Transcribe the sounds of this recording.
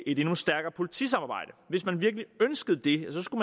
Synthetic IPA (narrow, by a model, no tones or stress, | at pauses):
ʔe̝d̥e̝nusd̥æɐɡ̥ɐːpʰo̝lit͡sʰḭsɑ̈mɑ̈ːbɑ̈ɪ̰d̥əʋe̝smænʋiɐɡ̥liønsɡ̥əð̞̩ˠd̥e̝sɒ̽sɡ̥umæ